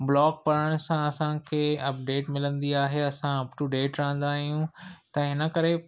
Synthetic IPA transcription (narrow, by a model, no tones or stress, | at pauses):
blɔːɡ̚pɐɾəɽ̃ʊsãɐsãkʰeːɐp̚ɖeːʈmɪlə̃nd̪iaːɦeɐsãɐpʈuɖeːʈɾɐɦə̃nd̪aːɦijũt̪ɐɦɪnə̆kɐɾe